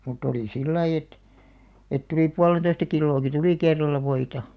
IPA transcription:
mutˑ oliˑ silːɑi et et tuliˑ puɑlen̞toistɑ kilːoːki tuliˑ kerːɑlˑɑ ʋoitɑ

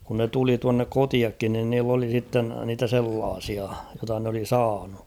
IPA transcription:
kun ne tuli tuɑnːek kotiɑkːin nin niːlː oli sitːen niːtæ selːɑːsiɑ jotɑ n oli sɑːnu

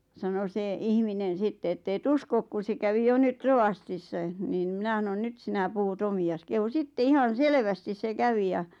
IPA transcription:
sɑno se ihminen̞ sitːe etː eˑt uskok kun̞ se kæʋi jo nyt roʋɑstisːɑĕ niːn n̆ĭ mĭnæ s̆ɑnon nyt sinæ puhut omiɑs kehu sitːe ihɑn̞ selʋæstis se kæʋi jɑ

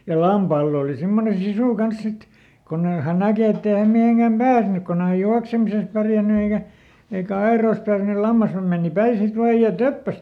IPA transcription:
jɑ lɑmpɑːlː oˑli simːone sisuˑ kɑns sit konː ei hæn nækeˑ etː ei hæm miheŋkæm pæːsnyk konː e hæj juɑksemises pærjænːy eikæ eikæ ɑeroˑĭs tɑrʋĭnu lɑmːɑshɑm meˑni pæi sit ʋɑːj jɑ tøpːæs

